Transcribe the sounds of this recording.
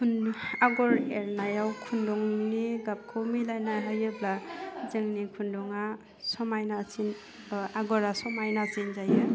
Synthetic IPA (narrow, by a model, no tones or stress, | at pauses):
kʰunaɡɔɾeɾnajawkʰundɔŋniɡap̚kʰɯwmilajnaɦɯjɯblazɯŋnikʰundɔŋa | sɔmajnasin | aɡɔɾasɔmajnasinzajɯ